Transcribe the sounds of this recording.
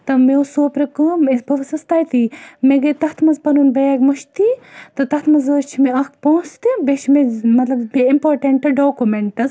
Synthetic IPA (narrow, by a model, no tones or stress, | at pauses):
t̪ɐmesoːpɾɐkɨmesbʱɐʋɐsɐst̪aːjt̪imeɡɐt̪ɐt̪ʰmɐzpɐnunbɐjaːɡʲmɐʃt̪it̪ɨt̪ɐht̪ʰmɐzɐːt͡ʃʰimeɐkpõːst̪ibeʃmemɐt̪lɐbbiimpoːɾʈɐɳʈɨɖoːkumeɳʈɐz